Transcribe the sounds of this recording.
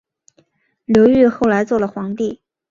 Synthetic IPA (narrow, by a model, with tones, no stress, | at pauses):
ljo˧˥ʊy˥˧xo˥˩ʊla˧˥ɪt͡swɔ˥˩lə˩xwɑ˧˥ŋt̪i˥˩